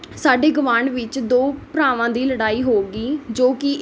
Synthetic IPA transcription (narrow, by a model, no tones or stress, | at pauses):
saːɖeːɡʊʋãːɳɖʋɪt͡ʃd̪oːpɾaːʋãːd̪iːləɽaːiːɦoːɡiːd͡ʒoːkɪ